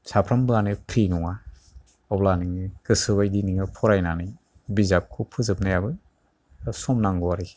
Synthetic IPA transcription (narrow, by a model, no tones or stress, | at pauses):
sapʰɾambɯanɯpʰɾinɔŋa | ɔplanɯŋɯkɯsɯβajdiniŋɯpʰɔɾajnanɯj | bizap̚kʰupʰɯzɯp̚najabɯ | sɔmnaŋɡɔwaɾi